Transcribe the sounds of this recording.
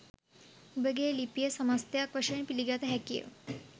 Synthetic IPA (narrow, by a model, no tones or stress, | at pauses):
bəɡelipijesəmast̪ʰjakʋəɕeɳpiliɡat̪aɦɛkiə̰